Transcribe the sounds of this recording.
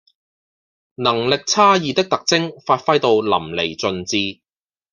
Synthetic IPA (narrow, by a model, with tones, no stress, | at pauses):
nɐ˨˩ŋlɪ˨k̚t͡sʰaː˥jiː˨t̪ɪ˥k̚t̪ɐ˨k̚t͡sɪ˥ŋfaː˧t̚fɐ˥jt̪o˧wlɐ̰˨˩mle˨˩jt͡sɵ˨˧nt͡siː˧